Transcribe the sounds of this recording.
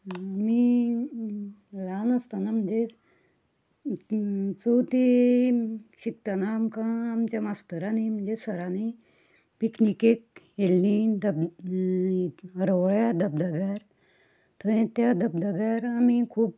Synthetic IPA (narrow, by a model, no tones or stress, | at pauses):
ami | lanəst̪anam̤əɳd͡ze | t͡sot̪i | ɕik̚t̪anaːmkãːmt͡ɕamast̪əɾanim̤əɳd͡ʑesəɾani | piknikek̚ | elnid̪əb | əɾəʋəɭjad̪əb̚d̪abjaɾ | t̪əɽẽt̪jad̪əb̚d̪abjaɾamikʰuːp